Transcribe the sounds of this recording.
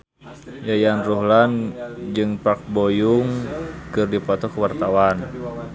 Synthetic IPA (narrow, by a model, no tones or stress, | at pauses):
jajanruɦland͡ʒɨŋpak̚bɔjuŋkɨrdipɔt̪ɔkəwart̪awan